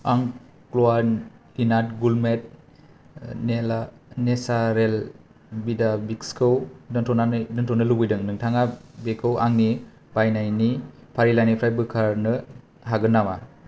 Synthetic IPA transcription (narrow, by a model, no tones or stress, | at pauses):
aŋ | klowadinatɡulmet̚ | nela | nesaɾel | bidabikskʰɯwdɯntʰɔnandɯntʰɔnɯlubɯjdɯŋnɯŋtʰaŋabekʰɯwaŋni | bajnajni | pʰaɾilajnipʰɾajbɯkʰaɾnɯ | ɦaɡɯnːama